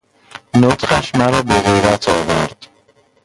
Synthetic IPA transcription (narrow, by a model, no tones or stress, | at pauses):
not̪χæʃmæɾɒːbeɣejɾæt̪ʰɒːvæɾd̪̥